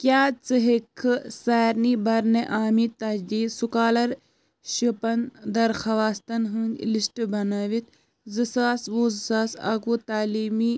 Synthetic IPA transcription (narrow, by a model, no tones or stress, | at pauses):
kjaːt͡sɨɦekʰːɨsaːɾniːbɐɾneʔaːmit̪ɐd̪iːsukaːlɐɾ | ʃipɐnd̪ɐɾxɐʋaːst̪ɐnɦɨ̃ŋɡlisʈbɐnaːʋit̪ | zɨsaːsʋuːzɨsaːsa̰kuːt̪aːliːmiː